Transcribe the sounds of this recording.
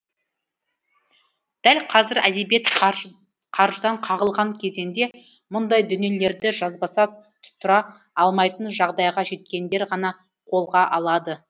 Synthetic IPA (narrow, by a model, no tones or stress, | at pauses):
d̪̥ælqʰɑzɪɾæd̪e̞bje̞t̪ | qʰɑɾʒəd̪ɑɴqʰɑʁəlˠʁɑŋkʲʰe̞ze̞nd̪e̞ | mʊnd̪ɑjd̪ʏne̞le̞ɾd̪ɪʒɑzbɑsɑt̪ʰʊ̥t̪ːʊɾɑ | ɑlˠmɑjt̪ənʒɑʁd̪ɑjʁɑʒe̞t̪kʲe̞nd̪e̞ɾʁɑnɑ | qʰo̞lˠʁɑʔɑlˠɑd̪ə